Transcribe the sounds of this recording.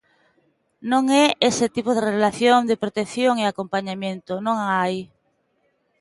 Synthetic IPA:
nõŋɛesɪt̪ipoð̞erelaθjoŋd̪epɾot̪ekθjoŋeakompaɲamjẽnt̪onõŋaj

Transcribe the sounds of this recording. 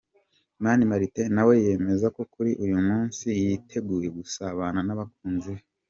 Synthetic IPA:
manimaɾitenawe̞je̞me̞zako̞kuɾiʔujumuːnsijitʰe̞ɡuːje̞ɡusaβananaβak̚uːnzie

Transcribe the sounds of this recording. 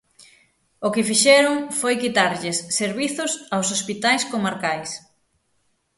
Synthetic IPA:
okɪfiʃɛɾʊŋfojkit̪aɾʎɪsːeɾβiθʊsawsospit̪ajskomaɾkajs

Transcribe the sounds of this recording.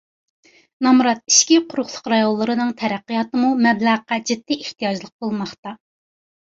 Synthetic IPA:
nɑmɾɑt̪̚i̥ʃkʲiqʰʊɾʊχlˠʊ̥qɾɑjonlˠːɨɾɨnɨŋt̪ʰɛɾæqːijɑt̪ɨmumɛblæʁqɑd͡ʒid̪ːiʔeht̪ijɑd͡ʒlˠəq̚bolˠmɑχt̪ɑ

